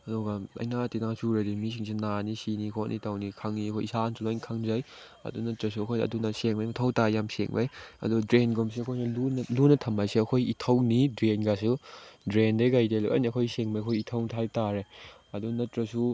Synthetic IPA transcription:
ɐduɡalɐ̰jnatinasuɾɐdimis̬iŋs̬ʰinanisinikʰonʔḭtʰawnikʰaŋniɐkʰojisansulojnkʰaŋzaj | ɐ̰dunɐtɾɐs̬uɐkʰojnɐ̰dunɐseŋbajmatʰɐwtajamsḛŋba̰jɐ̰dudɾenɡoms̬iɐkʰojnɐlunlunɐtʰɐmbajsiɐkʰojitʰɐwnidɾenɡas̬udɾendeɡajdelukʔɐ̰niɐkʰojseŋmajɐkʰojitʰɐwtʰajtaɾe | ɐdunɐtɾɐsu

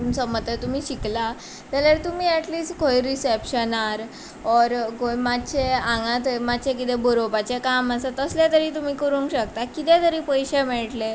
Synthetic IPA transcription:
nsəmət̪ət̪um̤iːɕikla | t̪aljaɾt̪um̤iːɛʈliːsʈkʰoiɾisepɕənaɾ | ɔɾɡojmat̪t͡ɕʰeãŋɡãt̪mat̪ːt͡ɕʰek̬it̪ɛbəɾopat͡ɕekamasat̪əslet̪əɾiːt̪um̤iːkəɾũːŋkɕəkt̪akit̪ẽt̪əɾiːpəjɕemɛɭʈle

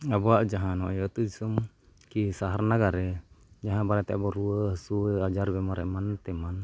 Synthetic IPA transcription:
abɔaʔd͡ʒaɦanɔjɔt̪ud͡ʒisum | kisaɦarnaɡaɾɛd͡ʒaɦanbaɾat̪ɛabɔɾuəhsuad͡ʒaɾbɛmaɾɛʔmant̪ɛman

